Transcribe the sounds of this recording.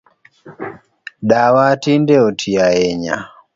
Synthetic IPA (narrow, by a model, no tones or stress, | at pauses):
ɗawatindɛɔtʰiaɛɲa̰